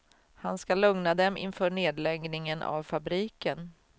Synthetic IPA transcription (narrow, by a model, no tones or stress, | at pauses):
hanskalɵŋnad̪ɛmʔɪ̰nfœːɳeːd̪lɛɡnɪŋənʔa̰vfabɾiːkən